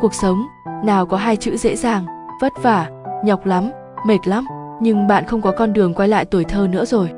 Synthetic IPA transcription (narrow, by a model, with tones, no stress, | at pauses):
ku˨˩ək̚sə˨˦wŋ͡m | naː˨˩wkɔ˨˦ɦaː˧jt͡ɕɨ̰˧˥zḛ˧˥zaː˨˩ŋv̥ə˦˥t̚vaː˧˩ɲɔ˨˩wk͡p̚la˨˦m | me˨˩t̚la˨˦mɲɨ˧ŋɓa̰ː˧˨nxə˧wŋ͡mkɔ˨˦kɔ˧nɗɨ˨˩əŋkwaː˧jla̰ː˧˨jt̪u˧˩əjt̪ʰəː˧nɨ̰˧˥əzo˨˩j